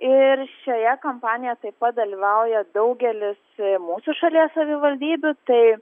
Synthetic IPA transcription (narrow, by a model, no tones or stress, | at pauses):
ɪɾʃʲojɛkompɑːnʲɪjɛt̪ɐɪpɐt̪̚d̪ɐlʲiːʋɐʊjɛd̪ɐʊɡʲɛlʲɪsmuːsʊʃɐlʲiɛssɐʋʲɪʋɐlʲd̪ʲiːbʲʊt̪ɐɪ